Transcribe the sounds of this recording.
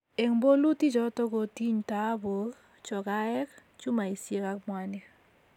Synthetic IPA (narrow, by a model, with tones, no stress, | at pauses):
e˨ŋbo˦lu˦ti˦t͡ʃɔ˦tɔ˦ko˨ti˦ɲta˨˦bo˨˦ | t͡ʃɔ˨ka˦ɛ˦kt͡ʃu˦ma˨i˨sje˦ka˦kmwa˦nɛ˦